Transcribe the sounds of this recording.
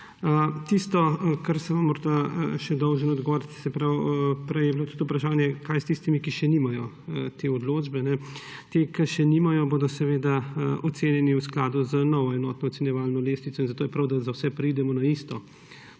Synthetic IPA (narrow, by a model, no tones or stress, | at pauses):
ət̪ist̪ɔkaɾsɛʋamːɔɾd̪aʃɛd̪ɔwʒənɔd̪ɡɔʋɔːɾit̪sɛpɾawpɾɛjɛbilot̪u̥t̪upɾaʃaːnjɛkajst̪ist̪imikiʃɛnimajɔ | t̪eːɔd̪loːd͡ʒbɛnɛt̪ekɐʃɛnimajɔboːd̪ɔsɛʋeːd̪aɔt̪seːnjɛniwsklaːd̪uznɔʋɔɛnɔːt̪nɔːt̪sɛnjɛʋalnɔleːsnitsɔinzat̪oːjɛpɾɐwd̪azawsɛpɾiːd̪ɛmɔnaist̪ɔ